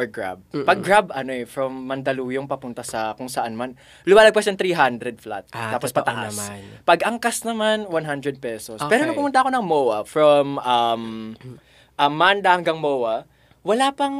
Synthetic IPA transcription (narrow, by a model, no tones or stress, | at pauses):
ʔoɹɡɹa̰b̚pɐɡɡɹabʔɐnoɛfɹɐmːɐnd̪ɐluːjoŋpɐpʊnt̪ɐsɐkʊŋsɐʔanman | lʊmaːlɐɡ̚pɐaʃɐŋt̪ɾiɦand̪ɾɛd̪̚fla̰t̪̚t̪aːpospɐʔ̪ɐ̰ʔaspɐɡʔɐŋkasnɐmanwanɦand̪ɾɛd̪̚pɛsospɛːɾonɐpʊmʊnt̪ɐko̞nɐŋmowɐfɹɐmʔɐm | ʔɐmːand̪ɐhɐŋɡɐŋmoːwɐ | wɐlapɐŋ